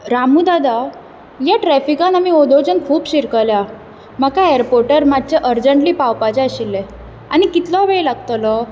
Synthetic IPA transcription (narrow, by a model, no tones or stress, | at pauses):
ɾamud̪ad̪a | jaʈɾɛfikãnamiod̪od͡ʑənkʰuːbɕiɾkəlja | məkaeəɾpoɾʈəɾmad̪̚t͡ɕeʔəɾd͡ʑəɳʈliːpawpat͡ɕɛəɕilːɛ̃ | añikit̪lɔʋeɭlaɡ̚t̪əlɔ